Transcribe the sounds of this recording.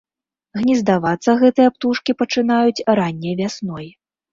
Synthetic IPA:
ɣnʲizd̪avat̪sːɐɣɛt̪ɨjɐpt̪uʂkʲipɐt͡ʂɨn̪ajut͡sʲɾanʲːɐjvʲasnɔj

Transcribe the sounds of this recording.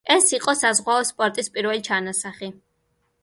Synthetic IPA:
ɛsiqʼɔsazʁwaɔspʼɔɾt̪ʼispʼiɾvɛlit͡ʃʰanasaχi

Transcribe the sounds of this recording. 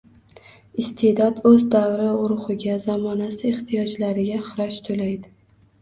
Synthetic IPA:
ɪst̪ʰed̪ɒd̪ɵzd̪awɾɪʊɾʊχɨɡʲazamɒnasɪeχt̪ʰijɒd͡ʒlaɾɪɡʲaχɨɾɒʃt̪ʰolajd̪ɪ

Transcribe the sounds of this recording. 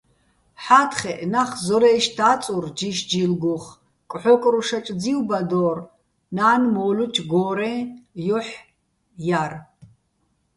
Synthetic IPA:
ħaːt̪ʰχɛʔnaχzɔɾɛʃt̪ʰaːt͡sʼurd͡ʒiʃd͡ʒilɡuχ | kʼħɔkʼɾuʃat͡ʃʼd͡ziwbad̪ɔːr | naːnmɔːlut͡ʃʰɡɔːɾɛjɔħ | jar

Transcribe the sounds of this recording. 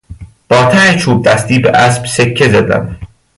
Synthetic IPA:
b̥ɒːt̪ʰænet͡ʃʰuːb̚d̪æst̪iːbeʔæsb̥sekʰːezæd̪æ̰m

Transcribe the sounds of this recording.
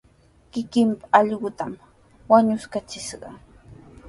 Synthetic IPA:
kɪkɪmpḁɑʎɢʊt̪am | waɲʊskat͡ʃɪʃɢɑ̰

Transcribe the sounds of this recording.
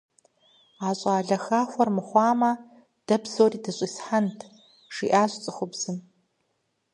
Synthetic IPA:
aːɕʼaːɮɐxaːxʷɔrmɨχʷɑːmɐ | d̥ɐbzoːriːdɐɕʼisħantʰ | ʂiːʔaːɕt͡sʼɨχʷʊbz̥ɨm

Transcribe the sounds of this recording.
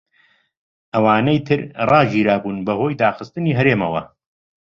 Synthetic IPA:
ʔɐwaːnɐjt̪ʰɨɾrɑːʒiːɾaːbuːnbɐhoːjd̪aːxɨst̪ɨniːɦɐɾeːmɐwɐ̰

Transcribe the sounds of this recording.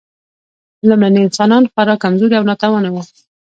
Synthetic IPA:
lamlaniɪnsɑnɑnxwaɾɑkamzoɾiawnɑt̪awanawə

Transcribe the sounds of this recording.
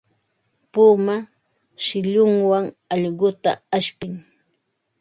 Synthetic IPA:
puːma | ʃɪʎʊŋwaŋ | ɑʎɢʊt̪a̰aʃpɪŋ

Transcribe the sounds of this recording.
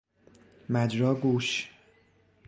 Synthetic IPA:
mæd͡ʒɾɒːɡuːʃ

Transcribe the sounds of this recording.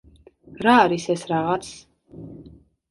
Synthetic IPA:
ɾaːɾisɛsɾaʁat̪sʰ

